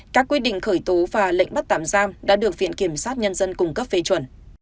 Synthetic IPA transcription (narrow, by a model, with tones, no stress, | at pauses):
kaː˦˥kːwi˦˥ɗḭ̈˧˨ŋ̟xəː˧˩jt̪o˨˦vaː˨˩lə̰˧˨ŋ̚ɓa˦˥t̚t̪a̰ː˧˨mzaː˧mɗa̰ː˧˥ɗɨ˨˩ək̚vḭ˧˨ənki˧˩əmsaː˦˥t̚ɲə˧nzə˧nkʊ˨˩ŋ͡mkə˦˥p̚fe˧t͡ɕwə˧˩n